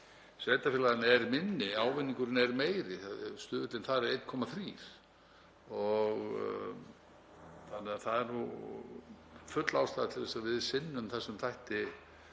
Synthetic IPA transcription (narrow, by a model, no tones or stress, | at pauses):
svejt̪afɪlaðɪnɛɾmɪnːɪaːwvɪnːiŋkʏɾɪnɛɾmeːjɾɪst̪ʏːðʏt̪lɪnθaðɾɾejt̪kʰɔmaθɾiːɾ̥ | ɔɣ | θanːɛaθaðɛɾnu | fʏt̪lawst̪aːðat̪ʰɪlvɛsaðvɪðsɪnːʏmθɛsɛmθʰajht̪ɪ